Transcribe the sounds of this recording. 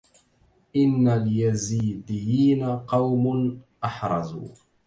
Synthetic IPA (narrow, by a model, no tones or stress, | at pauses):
ʔɪnːaljaziːd̪ɪjːiːnaqɑwmʊnʔɑħɾˤɑ̰zṵː